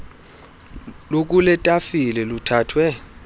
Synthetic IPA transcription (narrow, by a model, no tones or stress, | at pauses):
lok̬ʼulɛtʼafilɛlutʰaːtʰwɛ